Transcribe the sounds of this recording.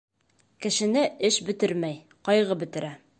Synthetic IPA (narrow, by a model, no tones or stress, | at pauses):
kɘ̆ʃɘ̆nɘɘʃbɘ̆t̪ɘɾmæj | qɒjʁɤbɘ̆t̪ɘ̆ɾæ